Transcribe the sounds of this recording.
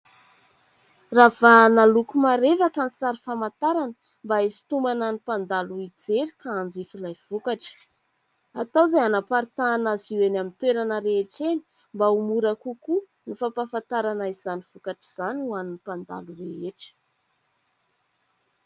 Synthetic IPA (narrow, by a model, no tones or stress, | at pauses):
ravanalukumaɾevakənisaɾifamant̪aɾanə | mbaesi̥t̪umananipand̪aluid͡zeɾikaand͡zifilajv̥ukaʈ͡ʂə̥ | at̪azajanapaɾit̪anaziwenamint̪weɾanəɾeɦeʈ͡ʂeni̥ | mbaumuɾakuku | nifapafant̪aɾanaiz̥aniv̥ukaʈ͡ʂiz̥anuaninipand̪a̰lureɦeʈ͡ʂə̥